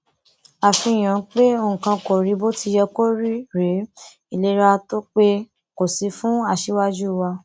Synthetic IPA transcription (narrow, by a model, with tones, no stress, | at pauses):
a˨fĩ˧˨j̃ã˨˦k͡pe˦õ˦˨kã˧ko˨ɾi˨˦bo˦ti˧˦jɛ˧ko˦ɾi˦ɾe˨˦ | i˨le˧˦ɾa˧to˦k͡pe˦ | ko˨si˨˦fũ˦a˦˨ʃe˦wa˦d͡ʒu˦˨wa˧